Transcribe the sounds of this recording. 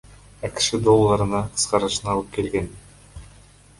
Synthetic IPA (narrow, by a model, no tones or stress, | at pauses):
ɑki̥ʃid̪o̞lˠːɑɾɯnɑqʰɯ̥sqɑɾɯʃɯnɑlˠɯp̚ke̞lɡe̞n